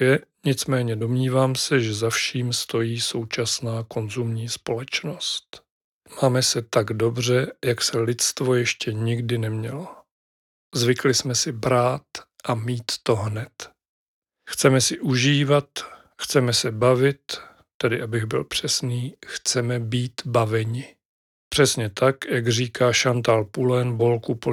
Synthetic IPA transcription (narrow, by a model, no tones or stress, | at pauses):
jɛɲɪt͡smɛːɲɛdo̞mɲiːvaːmsɛʒɛzafʃiːmst̪o̞jiːso̞wt͡ʃasnaːko̞nzumɲiːspo̞lɛt͡ʃno̞st̪ | maːmɛsɛt̪aɡdo̞br̝ɛjaksɛlɪt͡st̪vo̞jɛʃcɛɲɪɡdɪnɛmɲɛlo | zvɪklɪsmɛsɪbɾaːt̪ | ʔamiːt̪ːoɦnɛt̪ | xt͡sɛmɛsɪʔuʒiːvat̪ | xt͡sɛmɛsɛbavɪt̪ː | ɛdɪʔabɪɣbɪ̰lpr̝̥ɛsniːxt͡sɛmɛbiːt̪bavɛɲɪ | pr̝̥ɛsɲɛt̪akjaɡriːkaːʃant̪aːlpulɛnbo̞lkupo